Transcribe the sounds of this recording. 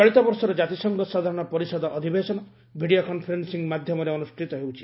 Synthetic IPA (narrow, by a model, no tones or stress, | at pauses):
t͡ʃɔɭit̪ɔbɔɾsɔɾɔd͡ʒat̪isɔŋɡɔsad̪ʱaɾɔɽ̃ɔpɔɾisɔd̪ɔʔɔd̪ʱibesɔnɔ | bʱiɽijokɔnpʰɔɾensiŋmad̪ʱjɔmɔɾeɔnusʈʰit̪ɔɦewt͡ʃʰi̥